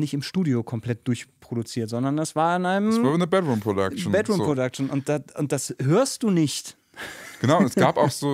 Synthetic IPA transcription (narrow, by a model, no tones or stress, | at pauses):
nɪçtɪmʃtuːdiokʰɔmpl̥ɛt̚d̥ʊɐçpʁ̥oɾut͡siːɐtz̥ɔndɐndasv̥aːɐɪnʔaɪnəmavinəbɛdʁuːmpʁ̥odakʃn̩bɛdʁuːmpʁodak̚ʃn̩ʊnt̚d̥aʊnt̚d̥ashøːɐstd̥uːnɪçt | ɡ̥ənaʊɛsɡ̥aːpaʊxz̥oː